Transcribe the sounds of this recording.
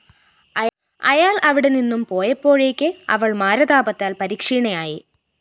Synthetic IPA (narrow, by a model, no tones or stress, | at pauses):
ɐ | ɐ̰jaːɭɐʋiɽe̞ninːumpo̞ːjɐpːo̞ːɻe̞ːkʲːɨɐ̰ʋɐɭmaːɾɐðaːbɐt̪ːaːlpɐɾiːkʂiːɳɐjaːjḭ